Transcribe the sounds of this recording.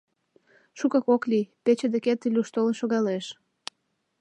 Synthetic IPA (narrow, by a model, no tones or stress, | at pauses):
ʃukɑkoklipet͡ɕed̪eket̪ːilʲuʃt̪olenʃoɣɑleʃ